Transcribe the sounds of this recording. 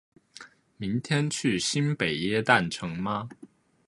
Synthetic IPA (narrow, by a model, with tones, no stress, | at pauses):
mi˧˥ŋt̪ʰjɛ˥nt͡ɕʰy˥˩ɕi˥npe˨˩ɪjɛ˥˧t̪a˥˩nʈ͡ʂʰɤ˧˥ŋma˦